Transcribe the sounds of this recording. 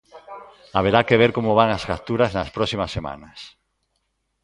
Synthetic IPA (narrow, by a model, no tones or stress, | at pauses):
aβeɾakeβ̞eɾkomoβ̞aŋazɣat̪uɾaznaspɾɔsimɐsːema̰nɐs